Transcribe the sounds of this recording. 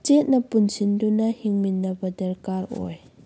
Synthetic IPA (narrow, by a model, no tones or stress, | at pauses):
t͡ʃɛt̚nɐpunsindunɐhiŋminːɐbɐdɐɾkaɾɔ̰j